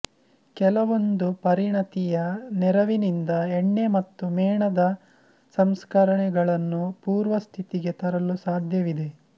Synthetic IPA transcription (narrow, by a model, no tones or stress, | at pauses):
kɛlɐʋo̞nd̪upɐɾiɳɐt̪ijɐnɛɾɐʋinind̪ɐeɳːe̞mɐt̪ːumɛːɳɐd̪ɐ | sɐmskɐɾɐɳɛɡɐɭɐnːupuːɾʋɐst̪ʰit̪iɡe̞t̪ɐɾɐlusaːd̪ʱjɐʋid̪e̞